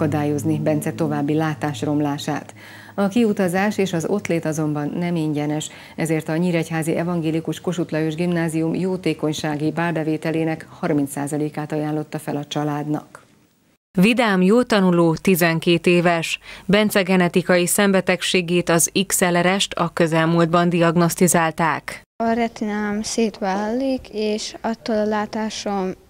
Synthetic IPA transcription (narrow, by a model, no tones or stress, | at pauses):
ɒd̪aːjo̞znibɛnt̪sɛt̪o̞vaːbːilaːt̪aːʃro̞mlaːʃa̰ːt̪ | ɒkiut̪ɒzaːʃeːʃɒzo̞t̪leːt̪ɒzo̞mbɒnːɛmiɲɟɛnɛʃ | ɛzeːrt̪ɒɲiːɾɛchaːziʔɛvɒŋɡeːlikuʃko̞ʃut̪lɒjøʒɡimnaːzijumjoːt̪eːko̞ɲʃaːɡibaːlbɛveːt̪ɛleːnɛkhɒrmint̪saːzɒleːkaːt̪ɒjaːnlo̞t̪ːɒfɛlɒt͡ʃɒlaːd̪nɒ̰k | vid̪aːmjoːt̪ɒnuloːt̪izɛŋkeːt̪eːvɛʃbɛnt̪sɛɡɛnɛt̪ikɒjisɛmbɛt̪ɛkʃeːɡeːt̪ɒziksɛlɛɾɛʃt̪ʰɒkøzɛlmuːld̪bɒnd̪iɒɡno̞st̪izaːlt̪aːk | ɒɾɛt̪inaːmseːt̪ʋaːlllikʰeːʃɒt̪ːoːlɒlaːt̪aːʃom